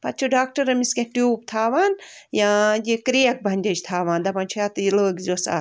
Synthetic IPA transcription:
pɐt̪t͡ʃʰuɖaːk̚ʈɐɾɐmiskẽʈjuːp̚t̪ʰaːʋaːnjãd͡ʒikɾijɐk̚bʱɐnʲdʲɐt͡ʃt̪ʰaːʋaːnd̪ɐpɐnʲt͡ʃʰujat̪iləːɡzosa̰

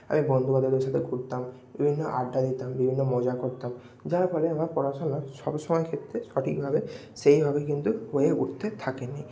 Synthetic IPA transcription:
a̰mibɔnd̪ʱubad̪ʱɔd̪eɾʃat̪ʰeɡʱuɾt̪ambibʱinːoʔa̰ɖːad̪it̪ambibʱinːomɔd͡ʑakoɾt̪am | d͡ʑaɾpɔɾeamaɾpɔɾaʃonaʃɔbʃɔmɔekʰet̪ːɾeʃɔʈʰik̚bʱabe | ʃejbʱabekint̪uhoeuʈt̪ʰːet̪ʰakene

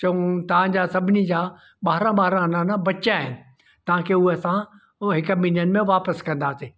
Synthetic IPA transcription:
t͡ɕɐũt̪ɐʋ̤ãd͡ʑaːsɐbʱɪnid͡ʑaː | ɓaːɾãɓaːɦɾãnãnãbɐʃaːɦɪnɪ̆ | t̪ɐʋ̤ãkʰeːʊɦeɐsã | ɦɪkminijənmẽʋaːpəskɐ̃nd̪aːsiː

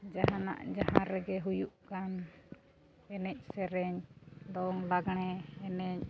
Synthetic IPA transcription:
d͡ʒaɦana̰ʔd͡ʒahãɾɛɡɛɦujuʔkan | ɛnɛc̚ˀsɛɾɛɲd̪ɔŋlaɡɳ̃ɛɛnɛɲ

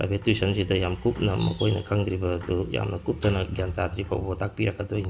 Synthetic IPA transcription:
a̰bʱetwisɐnsidɐjamkup̚nɐmɐ̰kʰojnɐ̰kʰaŋd̪ɾibɐːduja̰mnɐkup̚tɐnɐɡjantad̪ɾipʰa̰wbɐtak̚piɾakːɐdojni

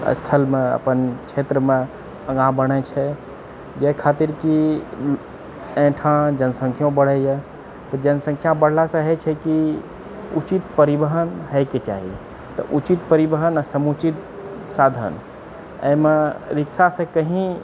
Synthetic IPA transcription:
ə̰st̪ʰəlmẽə̰pənkt͡ʃʰet̪ɾəmẽ | əɡãbəɽ̃ət͡ʃʰɛ | d͡ʒɛkʰat̪iɾki | ẽʈʰãd͡ʒənsə̃ŋkʰjõbəɽ̤əjɛ | t̪ɔd͡ʒənsə̃ŋkʰjãbəɽ̤lasə̃ɦɛt͡ʃʰɛki | ut͡ʃit̪pəɾibəɦənɦəjket͡ʃaɦḭ | t̪ɔ̰ʔut͡ʃit̪̚pəɾibəɦənasəmut͡ʃit̪̚ | sad̪ʱə̰n | ə̰jmeɾiksasẽkəɦĩ

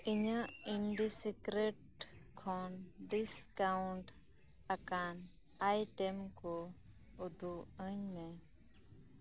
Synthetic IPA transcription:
ɪɲəiɳɖisikɾeʈ | kʰoːnɖiskauɳʈ | ɐkaːn | aːiʈemko | ud̪ʱuəɲmẽ

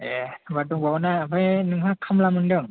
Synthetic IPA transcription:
ebadɔŋbawnaːpʰɯjnɯŋɦakʰamlamɯndɯŋ

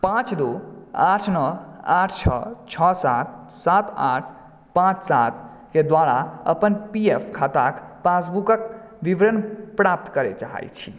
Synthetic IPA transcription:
pãt͡ʃd̪uaʈʰnəaʈʰt͡ʃʰʌ̰t͡ʃʰɔsa̰t̪̚sat̪aʈʰ | pãt͡ʃsat̪ | ked̪ʋaɽaə̰pənpiepʰkʰat̪akpasbukək̚ | bibɾənpɾap̚t̪kəɾɛ̰t͡ʃaɦa̰jt͡ʃʰi̥

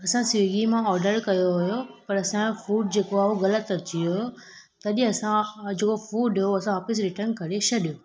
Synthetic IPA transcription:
ɐsãsɡimãɔːɾɖəɾkɐjoɦʊjopɐɾɐsãfuːɖ̚d͡ʑeːkoaːɦoɣɐlət̪ɐt͡ɕʰioɦjo | t̪ɐɗĩɐsãd͡ʑeːkofuːɖɦoɐsãɦɔːfɪs̬ɾɪʈəɾnkɐɾeʃɐɗijo

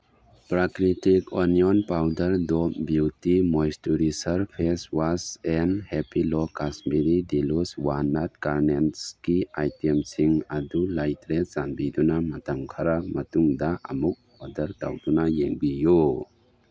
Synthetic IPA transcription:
pɾakɾitikɔnijɔnpawdɐɾdɔmbjutimojstuɾisɐɾpʰeswasenhepilɔkasmiɾidiluswanat̚kaɾnenskiajtemsiŋɐdulajtɾesanbidunamɐtɐmkʰaɾamɐtuŋdaʔɐ̰muk̚ | ɔdɐɾta̰wdunajeŋbijo

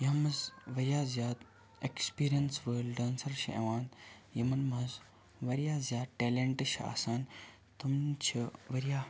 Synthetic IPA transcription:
jɐɦmɐzʋɐɾjaːzjaːd̪ | ekspiːɾijɐnsʋəːlɖaːnsɐɾʃɐ̰ʔḛʋaːnjɐmɐnmɐɦɐz | ʋɐɾijaːzjaːd̪ʈeːleɳʈɨʃʰa̰ːsaːn | t̪umt͡ʃʰiʋɐɾijaː

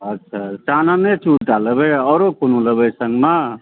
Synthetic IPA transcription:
ətːʃʰat͡ʃananet͡ʃʰuuʈaləbeɔɾokonoləbəsəŋɡma

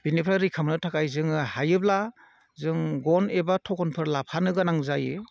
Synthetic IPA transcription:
b̥inipʰɾaɾikʰamnɯtʰakajzɯŋɯhajɯbla | zɯŋɡɔnebatʰɔkɔnpʰɯɾlapʰanɯɡɯnaŋzajɯ

